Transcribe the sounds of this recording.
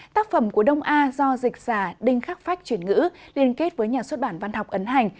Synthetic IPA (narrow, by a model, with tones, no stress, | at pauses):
t̪aː˦˥k̚fə˧˩mku˧˩əɗə˧wŋ͡mʔaː˧zɔ˧zï˨˩k̟̚z̥aː˧˩ɗï˧ŋ̟xaː˦˥k̚fa˦˥jk̚t͡ɕwi˧˩ənŋɨ̰˧˥li˧ənke˦˥t̚vəː˨˦jɲaː˨˩swə˦˥t̚ɓaː˧˩nva˧nhɔ˨˩wk͡p̚ʔə˨˦nɦa˨˩jŋ̟